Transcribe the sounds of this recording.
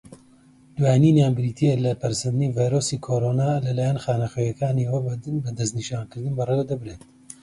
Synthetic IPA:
d̪waːjninjaːnbɨɾiːt̪ʰielɐpɐɾsɐnd̪ɨnivajɾosikʰoɾonaːlɐlaːjanχaːnɐχøːjɐkʰaːniwɐbɐd̪ɐsniʃaːnkɨɾd̪ɨnbɐrewd̪ɐbɾeːt̪̚

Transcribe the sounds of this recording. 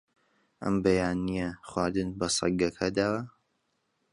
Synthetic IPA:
ʔɐ̰mbɐjaːnijɐχwaːɾd̪ɨnbɐsˤɐ̰ɡɐkʰɐd̪aːwɐ

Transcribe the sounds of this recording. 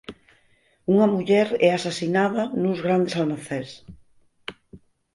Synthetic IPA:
uŋɐmuʎɛɾɛasasinaðɐnuzɣɾand̪esalmaθɛs

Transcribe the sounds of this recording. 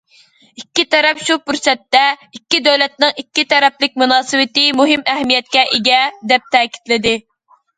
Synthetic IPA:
ikʲːit̪ɛɾɛpʃupuɾsɛt̪ːɛikʲːid̪øwlɛt̪̚nɪŋikʲːit̪ʰɛɾɛplɪk̚ʲmunɑːsɨwɪt̪ɪmuɦɪmɛɦmijɛt̪̚kʲɛʔɪɡʲɛd̪ɛp̚t̪ʰɛːkʲi̥t̪lɪd̪ɪ

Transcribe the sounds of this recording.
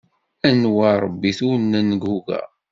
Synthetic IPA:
ænwaɾˤəbːiθunːænːəɡhuɡæ̰

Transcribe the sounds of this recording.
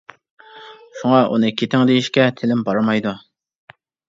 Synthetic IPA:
ʃuŋɑʔṵnɨkʲʰet̪ɪŋd̪ejiʃkʲɛt̪ʰɪlɪmbɑɾɑmɑjd̪u

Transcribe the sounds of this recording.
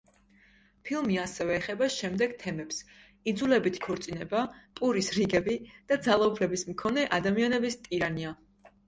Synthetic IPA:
pʰilˠmiasɛvɛːχɛbaʃɛmd̪ɛɡ̥̚t̪ʰɛmɛps | id̪zulɛbit̪ʰkʰɔɾt̪sʼinɛbapʼuɾisɾiɡɛbid̪̥ad̪zalˠaubʰɾɛbismkʰɔnɛʔad̪amianɛbist̪ʼiɾania

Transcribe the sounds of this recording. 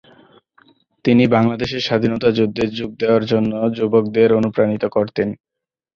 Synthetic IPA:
t̪inibaŋlad̪eʃeɾʃad̪ʱinot̪ad͡ʑud̪ːeɾd͡ʑuɡ̚d̪eoaɾd͡ʑonːod͡ʑubok̚d̪eɾonupɾanit̪okoɾt̪en

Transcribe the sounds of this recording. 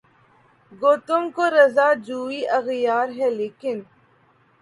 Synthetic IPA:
ɡoːt̪ʊmkoɾɐzaːd͡ʒuːiʔɐɣjaːɾɦɛleːkɪn

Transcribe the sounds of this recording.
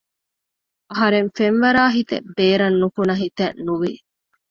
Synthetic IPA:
ʔɐɦɐɾeŋfenʋɐɾaːɦit̪ḛbeːɾɐnːukunɐɦit̪ɐnnuʋi

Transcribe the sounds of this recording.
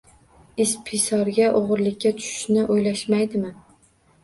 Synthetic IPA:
ɪspʰisɒɾɡʲaʔoʁɨɾlɪkʲːat̪ʰʊ̥ʃɪ̥ʃnɪʔojlaʃmajd̪ɪmɪ

